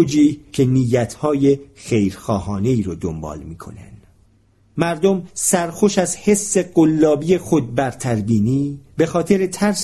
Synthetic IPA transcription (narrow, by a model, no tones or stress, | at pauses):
d͡ʒiːcʰe̞niːjːæt̪ʰhɒːje̞xejɾxɒːhɒːne̞iːɾod̪ombɒ̰ːlmiːkʰo̞̰næ̰nd̪̥ | mæɾd̪omsæɾxo̞ʃæzhe̞sːe̞ɢolːɒːbije̞xo̞d̪̚bæɾt̪ʰæɾbiːniːbe̞xɒːt̪ʰeɾet̪ʰæɾs